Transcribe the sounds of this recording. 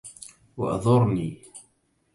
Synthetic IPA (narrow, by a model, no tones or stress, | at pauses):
wa̰ʔɑ̰ðˤʊɾˤniː